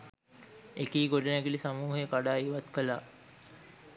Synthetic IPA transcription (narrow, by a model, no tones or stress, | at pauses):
ekiːɡoɖənæɡilisamuːɦəjəkaɖaːiʋat̪kəlaː